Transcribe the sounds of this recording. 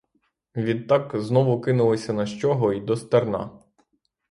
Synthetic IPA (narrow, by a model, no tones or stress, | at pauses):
ʋʲid̪̚t̪ɑkznɔʋʊkɪnʊlˠɔsʲɐnɐʃt͡ʃɔɦɔid̪ɔst̪ernɑ̰